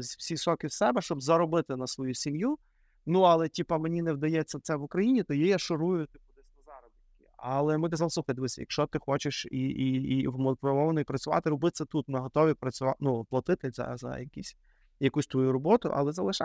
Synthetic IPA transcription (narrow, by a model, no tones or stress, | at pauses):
zʲwsʲisɔkɪwsɛbɛʃt͡ʃɔbzɐɾɔbɪt̪ɪnɐsʋɔjusʲimju | nuɐlˠɛtʲipɐmenʲinɛwd̪ɐjɛt͡sʲːɐt̪sɛʋʊkɾɐjinʲit̪ɔjijaʃɔɾujʊt̪ɪpʊd̪ɪsʲnɐzɑɾɔb̪ɪkʲɪɐlˠɛmɪt̪ɛzɐlˠsˠuxɐjd̪ʋɪsʲɛ̰jɐ̰kʃt͡ʃɔt̪ɪxɔt͡ʃɪʃiiiwmpɾɔmɔʋɐnɔipɾɐt͡sʲʊʋɑ̰t̪ɪɾɔbɪt̪sʲɐt̪ut̪mɪɦɔt̪ɔʋʲipɾɐt͡sʲʊʋɑnuplˠɐt̪ɪt̪ɪzɐ̰zɐ̰jɐkʲisʲ | jɐkusʲt̪ʋɔjuɾɔbɔt̪ʊ̰ʔɐ̰lˠɛzɐlˠɪʃa